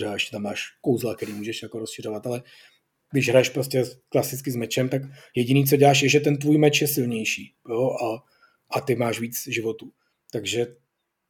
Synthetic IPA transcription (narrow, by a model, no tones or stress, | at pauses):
ɛaɛʃcɛ̥t̪amːaːʃkowzlakɛɾiːmuːʒɛʃjako̞ɾosʃɪr̝o̞vat̪alɛ | ɡdɪʒɦɾajɛʃpɾo̞scʲɛklasɪt͡skɪzmɛt͡ʃɛmt̪akjɛɟɪniːt͡soɟɛlaːʃ̬jɛʒɛt̪ɛnt̪vuːjmɛt͡ʃjɛsɪlɲɛjʃiːjoʔa | ʔat̪ɪmaːʃviːt͡sʒɪvo̞t̪uː | t̪aɡʒɛ